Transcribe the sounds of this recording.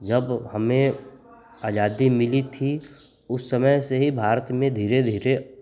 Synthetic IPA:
d͡ʒəbhəmẽ | aːd͡ʒaːd̪imɪlit̪ʰi | ʊsːəməjseɦibʱaːɾət̪mẽd̪ʱiːɾed̪ʱiːɾe

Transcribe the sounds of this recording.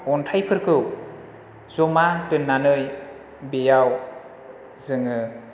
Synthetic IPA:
ɔntʰajpʰɯɾkʰɯw | zɔmatɯnːanɯj | bejaw | zɯŋɯ

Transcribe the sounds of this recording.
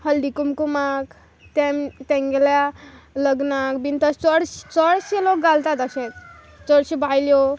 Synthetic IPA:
həld̪ikumkumak | t̪ɛ̃mt̪ɛ̃ŋɡeljaləɡnakbint̪əst͡səɽɕt͡səɽɕelok̚ɡalt̪at̪aɕɛt̪ | t͡səɽɕibʱajljɔ

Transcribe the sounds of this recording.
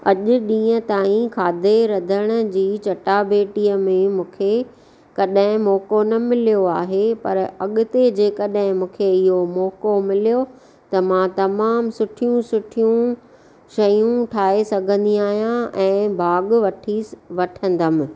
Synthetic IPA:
ɐʄʊ̆ɗĩːə̃t̪aːĩkʰaːd̪ʱeɾɐd̪ʱəɽ̃ə̆d͡ʑiːt͡ɕɐʈabeːʈijəmẽmũːkʰe | kɐɗɦɪ̃mɔːkonɐmɪlijoaːɦepɐ̰ɾɐɠʊt̪ed͡ʑeːkɐɗɦɪ̃mũːkʰeɪɦomɔːkomɪlijo | t̪ɐmãt̪ɐmaːmsʊʈʰijũsʊʈʰijũ | ʃɐjũʈʰaːesɐɡʱə̃nd̪iaːɦijãʔɛ̃ːbʱaːɠʋɐʈʰiʋɐʈʰə̃nd̪əmɪ̃̆

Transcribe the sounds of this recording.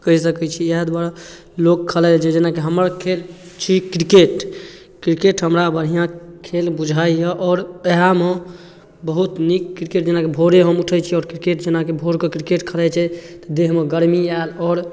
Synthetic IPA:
kəɦisəkɛt͡ʃʰiɛd̪bəɾ | lokʰːəlɛd͡ʒed͡ʒenakeɦəməɾkʰel | t͡ʃʰikɾikeʈ | kɾikeʈɦəmɾabən̤ijãkʰelbud͡ʒʱajəʔɔːɾəɦame | bəɦut̪nikːɾikeʈd͡ʒenakebʱoɾeɦəmuʈʰət͡ʃʰiɔːɾkɾikeʈd͡ʒenakebʱoɾkekɾikeʈkʰəlɛt͡ʃʰɛt̪ɔd̪eɦmẽɡəɾmialɔːɾ

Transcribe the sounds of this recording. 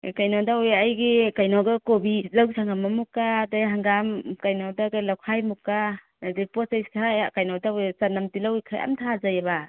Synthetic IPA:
kajnɔdaujajɡikajnɔɡakobizawɡisʰaŋɡamːamukːadaɦaŋɡamkajnɔdaɡalawkʰajmukːa | nadepɔsajskʰaɾajakajnɔdajt͡ʃanamtilawjkʰajʔa̰mtʰazajaba

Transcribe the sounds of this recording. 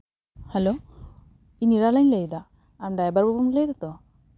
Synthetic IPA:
hɛlo | iniɾalaɲlejd̪a | amɖajbaɾbɔbumlejd̪at̪ɔ

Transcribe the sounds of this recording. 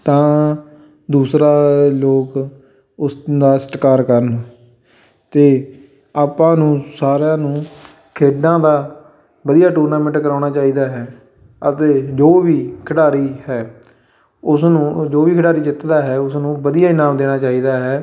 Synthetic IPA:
t̪ãː | d̪uːsɾaːloːk | ʊsd̪aːsə̥ʈkaːɾkəɾən | t̪eː | aːpãːnũːsaːɾjãːnũː | kʰeːɖãːd̪aː | bəd̪ijaːʈuːɾnaːmɛ̃ɳʈkəɾaːnaːt͡ʃaːiːd̪aːɦɛː | ət̪eːd͡ʒoːʋiːkʰəɖaːɾiːhɛː | ʊsnũːd͡ʒoːʋiːkʰəɖaːɾiːt͡ʃɪt̪d̪aːɦɛːʊsnũːbəd̪ijaːɪnaːmd̪eːɽ̃aːt͡ʃaːiːd̪aːɦɛː

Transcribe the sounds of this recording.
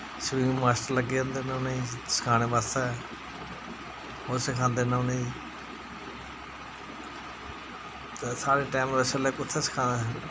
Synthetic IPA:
səʋĩːmaːsʈəɾləɡeːə̃nd̪enãnəĩːsə̥kʰaːneːbaːsɛː | osəkʰãːnd̪eːnãnəĩː | t̪esaːɾeːʈaːmʋɛsəleːkʊt̪ʰːeːsə̥kʰãːnd̪e

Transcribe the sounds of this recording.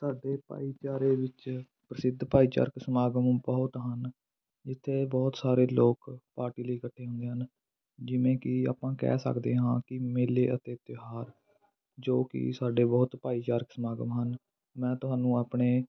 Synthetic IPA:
saːɖeːpa̰ːiːt͡ʃaːɾeːʋɪt͡ʃ | pɾəsɪd̪ʱpaːiːt͡ʃa̰ːɾksəmaːɡəmbɔːt̪ɦən | d͡ʒɪt̪ʰːeːbɔːt̪saːɾeːloːkpaːɾʈiːləiːkəʈʰːeːɦʊ̃nd̪eːɦən | d͡ʒɪʋẽːkɪa̰ːpãːkɛ̰ːsə̰kd̪eːɦãːkɪmeːleːət̪eːt̪ɪɦaːɾ | d͡ʒoːkɪ̰saːɖeːbɔːt̪paːiːt͡ʃaːɾkəsəmaːɡə̰mɦən | mɛ̃ːt̪ʊɦaːnũːaːpɳeː

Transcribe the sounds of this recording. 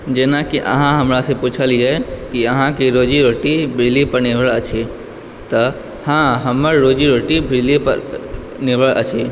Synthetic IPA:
d͡ʒeːnakiʔə̰ɦãɦəmɾasẽput͡ʃʰəlid͡ʒaːekiəɦãkiɾoːd͡ʒiɾoːʈibʱɪlipəɾneʋəɭət͡ʃʰe | t̪ə | hãɦəməɾɾoːd͡ʒiɾoʈibʱɪlipə̰ɾ | neʋəɭʔə̰t͡ʃʰe

